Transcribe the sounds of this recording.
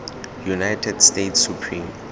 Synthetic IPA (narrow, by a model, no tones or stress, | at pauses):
junajtʰɛdstetsupʰrĩm